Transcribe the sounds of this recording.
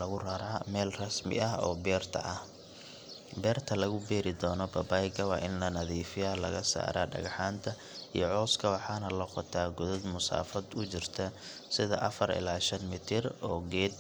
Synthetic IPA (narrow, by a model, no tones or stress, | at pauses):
ɐɣʊrɐɾaːmɛːlrɐsmɪ̰ɐɦɔ̰ːbɛːrt̪ʰɐ̰ʔɐh | bɛːrt̪ʰɐlɐɣʊbɛːɾɪd̪ɔːnɔbɐbajɡɐwɑːʔɪnlɐnɐðiːfɪjalɐɣɐsa̰ːɾa̰ːɖɐ̰ɣɐħaːnt̪ʰɐ | ijɔʕɔːskʰɐwɑħɑːnɐlɐqɔt̪ʰaːɡʊðɐd̪mʊsa̰ːfɐd̪ʊt͡ʃɪrt̪ʰɐ | sɪðɐʔɐfɐɾɪ̰laːʃɐnmɪt̪ʰɪrɔːɡɛːd̪̚